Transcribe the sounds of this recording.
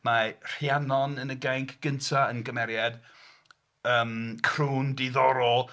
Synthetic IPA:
mar̥janɔnənəɡajŋkʰɡ̥əntʰaənɡəmɛɾjad̥ | əːmkʰruːndiðɔɾɔlˠ

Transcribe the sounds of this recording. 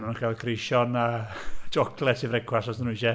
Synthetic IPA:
manakʰalˠkʰrejʃɔnad͡ʒɔkʰlˠɛtʰivɾɛɡʰwasɔsənuiʃɛ

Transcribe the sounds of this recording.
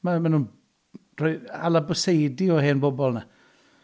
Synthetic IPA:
mamanuːn | r̥ɔɨa̰lˠabəsejdiɔɦeːnbɔbɔlˠna

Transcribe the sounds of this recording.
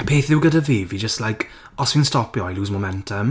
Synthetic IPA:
pʰeːθðɪwɡədəveːvid͡ʒəstlajkʰ | ɔsɪnstɔpjɔajluːzmomɛ̃ntʰəm

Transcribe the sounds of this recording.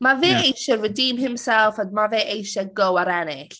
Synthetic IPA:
maveːejʃɛrədiːmhɪmsɛlˠfɔdmaveːʔejʃɛɡɔwaɾɛnɪɬ

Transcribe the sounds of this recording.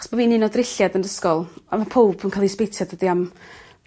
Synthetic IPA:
sb̥ɔviːninoːdrɪɬjadəndəskɔlˠamapʰowb̥ʰnkʰalˠispejtʰjadədiam

